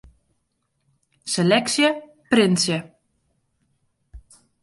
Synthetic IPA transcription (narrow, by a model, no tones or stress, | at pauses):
selɛksjə | prɪnsjə